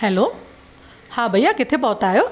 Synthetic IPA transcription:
ɦɛloː | hãbʱəjakɪt̪ʰep̬ɔɦt̪aːɦjoː

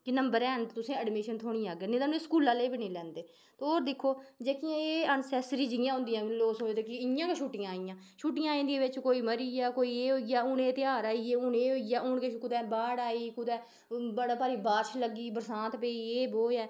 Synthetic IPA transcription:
kɪnəmbəɾɛːɦənt̪ʊsẽːəɖmeːʃənt̪ʰoːɽĩːaːɡeːnẽːt̪aːneskuːlãːleːbiːnẽːlɛ̃ːnd̪eː | t̪eoːɾd̪ɪkʰːoːd͡ʒeːkɪjãːeːənsɛːsɾiːd͡ʒɪjãːɦʊ̃nd̪ijãːloːsoːoːd̪eːkɪɪjãːkeʃuːʈɪjãːijãː | ʃʰuːʈɪjãːĩːd̪iʋɪt͡ʃkoːiːməɾijaːkoːiːeːɦoːiaːʊːnẽːt̪ɪaːɾaːiːeːʊːnẽːɦoːijaːoːɳkekʊd̪ɛːbaːɽaːiːkʊd̪ɛː | bəɽaːpaːɾiːbaːɾʃləɡiːbəɾsãːt̪peːiːeːboːjɛː

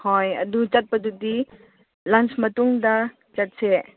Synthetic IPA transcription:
ɔjəd̪ut͡ʃɐt̪̚pɐd̪ud̪i | lɐnsmɐt̪uŋd̪a | t͡ʃɐt̪̚sɛ

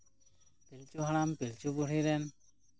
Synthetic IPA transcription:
pilt͡ʃuɦaɽ̃ampilt͡ʃubuɽiɾɛn

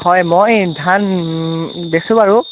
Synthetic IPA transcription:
hɔjmojdʱan | besubaɹʊ

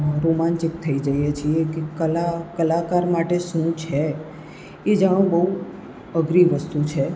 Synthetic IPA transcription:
ɾomant͡ʃik̚t̪ʰəid͡ʒəjet͡ʃʰiekekəlakəlakaɾmaʈeʃũt͡ʃʰe | ed͡ʒəɽ̃ũbəɦu | əɡɾiʋəst̪ut͡ʃʰe

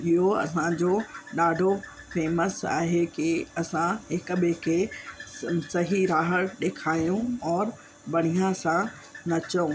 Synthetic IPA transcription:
ɪɦoɐ̰sãd͡ʑoɗaːɖʱo | feːməsa̰ːɦekiɐsãɦɪkɓɪkʰe | sɐɦiɾaːɦəɽɗeːkʰaːijũɔːɾ | bɐɽ̃ijãsã | nɐt͡ɕɐũ

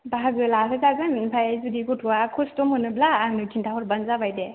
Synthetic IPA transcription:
baɦaɡɯlasɯzaɡɯnnpʰajajzudiɡutʰuwakʰustɔmhɯnɯb̚laːŋnɯtʰintʰaɦɔɾbanzabajde

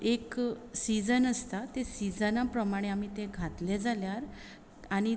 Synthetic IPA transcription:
eksid͡zənəst̪at̪esid͡zənapɾəmaɽ̃eam̤it̪eɡʱat̪led͡zaljaɾ | aɽ̃i

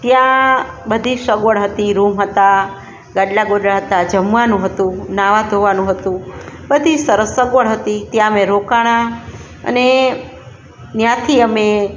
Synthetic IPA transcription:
t̪jãbəd̪ʱisəɡʋəɽɦət̪iɾumɦət̪a | ɡaɖlaɡoɖɭaɦət̪ad͡ʒəmʋanũɦət̪ũnaʋad̪ʱoʋanũɦət̪ũbəd̪ʱisəɾəsːəɡʋəɭɦət̪it̪jãəmeɾokaɽ̃ã | ə̰ne | njãt̪ʰiəme

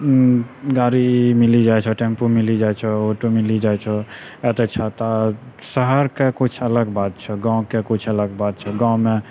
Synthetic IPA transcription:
ɡaɾimilid͡ʒajt͡ʃʰɛʈempomilid͡ʒajt͡ʃʰɛoʈumilid͡ʒajt͡ʃʰɛɛt̪ɛt͡ʃʰɛt̪asəɦəɾkekut͡ʃʰələɡbat̪̚t͡ʃʰɛɡãw̃kekut͡ʃʰələɡbat̪̚t͡ʃʰɛɡãwme

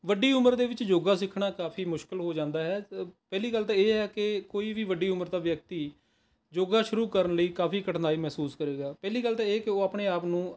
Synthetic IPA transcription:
ʋəɖːiːʊməɾd̪eːʋɪt͡ʃd͡ʒoːɡaːsɪkʰɽaːkaːpʰiːmʊʃkɪlɦoːd͡ʒãːnd̪aːɦɛːpɛːliːɡəlt̪ãːeːɦɛːkɪkoːiːʋiːʋəɖiːʊməɾd̪aːʋjək̚t̪iː | d͡ʒoːɡaːʃʊɾuːkəɾənləiːkaːpiːkəʈʰnaːiːmɛɦsuːskəɾeːɡaːpɛːliːɡəlt̪ãːeːkeoːaːpɳeːaːpnũː

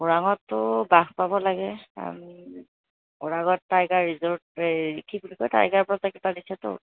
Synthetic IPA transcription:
ɔɹaŋɔtːʊbaxpabɔlaɡɛa̰mi | ɔɹaɡɔtːaɹɡaɹɹizɔɹtɹikʰibulikɔjta̰ɹɡaɹpɔɹɔakipadisɛtʊ̰

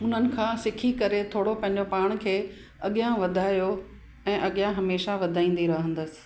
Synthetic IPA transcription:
ʊn̤ənɪ̆kʰãːsɪkʰikɐɾet̪ʰoːɽopɐ̃ɦɪ̃ɲ̆d͡ʑopaːɽ̃kʰeː | ɐɠijãʋɐd̪ʱaːjo | ɛ̃ːʔɐɠijãɦɐmeːʃaʋɐd̪ʱaːĩːn̆d̪iɾɐɦə̃nd̪əsɪ̥̆

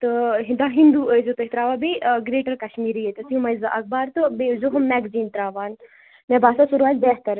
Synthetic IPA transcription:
t̪ɨɦind̪aɦind̪uːəzut̪əɦit̪ɾaːʋaːbeɡɾeːʈɐɾkɐʃmiːɾijet̪ɐsimɐjzaʔɐk̚baːɾt̪ɨbezoɦɐmmːɛɡziːnt̪ɾaːʋaːn | mɛbaːsasuɾuʋaːt̪bɛːɦt̪ɐɾ

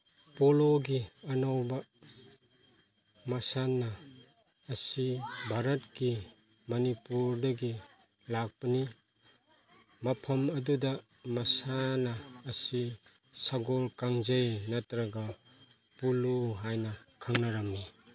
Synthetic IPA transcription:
poloɡiɐnawbɐ | mɐsanːɐː | sibʱaɾɐtki | mɐnipuɾdɐɡi | lak̚pɐni | mɐpʰɐmɐdudɐmɐsanɐːsisaɡolkaŋzejnɐtɾɐɡɐ | puluɦajnɐkʰaŋnɐɾɐmni

